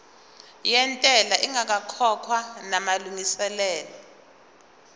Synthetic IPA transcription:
jɛntʼɛlaʔiŋak̬akʰɔkʰwanamaluŋisɛlɛːlɔ

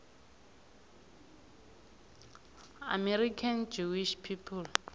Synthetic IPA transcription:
a̰mɛɾikʰand͡ʒuiʃpʰipʰɔl

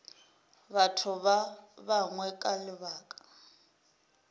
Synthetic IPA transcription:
βatʰʊβabaŋwɛkʼalɪβaːkʼḁ

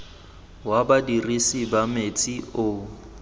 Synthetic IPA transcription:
wabadirisibamet͡sʼiʊ

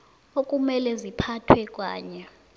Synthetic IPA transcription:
okʼumɛlɛzipʰatʰwɛkʼwa̰ːɲɛ

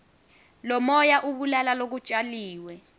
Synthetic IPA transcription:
lɔmɔjaʔuɓulalalok̬ut͡ʃʼaliːwɛ

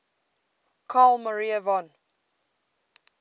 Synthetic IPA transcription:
kʰɑlˠməɹiəvɔ̃n

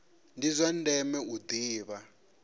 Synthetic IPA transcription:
ndizʷɛndɛmɛud̪iːβa

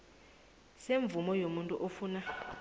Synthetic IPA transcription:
seɱb̪vumɔjomuntʼuʔofuːna

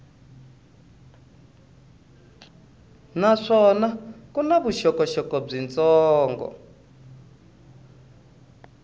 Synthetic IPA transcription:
naʂɔnakunaβuʃɔkɔʃɔkɔb͡ʐint͡sɔːŋɡɔ̰

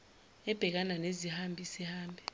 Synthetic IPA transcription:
ɛb̥ʱɛk̬ananezihambʱisihaːmbʱɛ

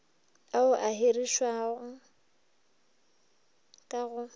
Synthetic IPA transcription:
aʊʔaɦeriʃwaɣʊ | kʼaɣʊ

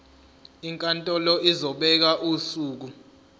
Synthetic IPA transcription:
iŋkʼantʼɔlɔʔizɔɓɛk̬aʔusuːk̬u

